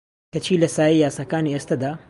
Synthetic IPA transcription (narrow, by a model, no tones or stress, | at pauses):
kɐt͡ʃʰiːlɐsaːijaːsɐkaːniɐst̪ɐd̪a